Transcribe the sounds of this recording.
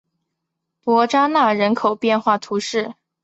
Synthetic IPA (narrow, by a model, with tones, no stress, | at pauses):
pwɔ˧˥ʈ͡ʂa˥na˥˩ɻə˧˥nkʰo˨˩ʊpjɛ˥˧nxwa˥˩t̪ʰu˧˥ʂɻ̩˥˩